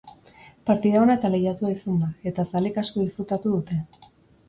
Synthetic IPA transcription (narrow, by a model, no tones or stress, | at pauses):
paɾt̪iðaonae̞t̪alejat̪uaisund̪ae̞t̪asalikasko̞ðisput̪at̪uðut̪e̞